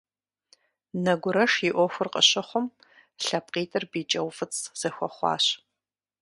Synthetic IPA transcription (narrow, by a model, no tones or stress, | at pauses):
nɐɡʷʊɾɐʂiʔʷɔxʷʊrqʼə̰ɕɐχʷʊm | ɬɐp̚qʼiːtʼɨrbiːt͡ʃʼɐwfɨt͡sʰʼz̥ɐxʷɔχʷɑ̰ːɕ